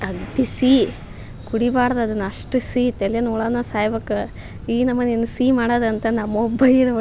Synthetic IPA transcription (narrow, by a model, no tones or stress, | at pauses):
ɐɡd̪isiː | kuɽibaːɽɐd̪ɐd̪ɐnːɐʂʈusiːt̪eljɐnuɭaːnɐsaːjbɐkːɐ | iːnɐmːɐninːusiːmaːɽaːd̪eɐnt̪ɐnɐmːɐɔbːɐjiɾɐ